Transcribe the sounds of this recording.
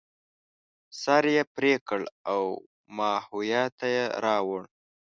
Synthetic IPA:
sɑɾjepɾekəɭaw | mɑhujɑt̪ajeɾɑwəɳ

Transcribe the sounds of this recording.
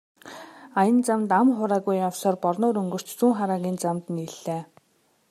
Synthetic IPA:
ajə̆nt͡samt̪amχʊɾaːɣujːawsɔːrpɔrnʊːɾɵŋɡɵ̆r̥t͡ɕt͡suːŋχaɾaːɣʲiːnt͡samt̪niɮːeː

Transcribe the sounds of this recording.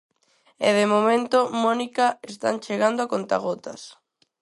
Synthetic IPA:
ɛ̰ðemomẽnt̪omɔnikaest̪a̰nt͡ʃeɣand̪oakont̪a̰ɣot̪ɐ̰s

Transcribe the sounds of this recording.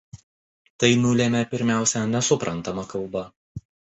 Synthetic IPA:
t̪ɐɪnʊlʲeːmʲɛpʲɪɾʲmʲæˑʊsʲɛnʲɛsʊpɾʔɐnˑt̪ɐmɐkɐlˠbɐ

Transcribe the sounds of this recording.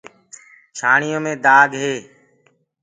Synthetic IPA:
ʃʰaːɳijõːmẽːd̪aːɡɦeː

